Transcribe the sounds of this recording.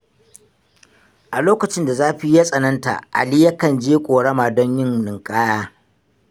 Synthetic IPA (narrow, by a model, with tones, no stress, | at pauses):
ʔa˨loː˦kɐ˨t͡ʃɪ˦nda˨zaː˦ɸi˦ja˦sʼɐ˨nɐ˦nta̰˨ʔa̰˨lɪ˦jɐ˦kɐ˨nd͡ʒeː˦kʷʼoː˨ɽɐ˦maː˨dɔ˦ɲjɪ˦ŋnɪ˨ŋkʼaː˦jaː˦